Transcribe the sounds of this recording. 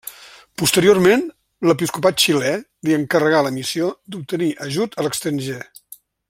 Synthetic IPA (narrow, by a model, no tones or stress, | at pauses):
pust̪əɾiormen | ləp̬iskupat̪̚t͡ʃilɛ | liəŋkərəɣaləmisiod̪up̚t̪əniʔəʒut̪ələkst̪ɾənʲʒe